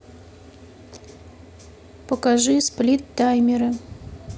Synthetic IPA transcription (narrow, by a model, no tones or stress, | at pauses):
pəkaʐɨsplʲit̪ːajmʲɪɾɐ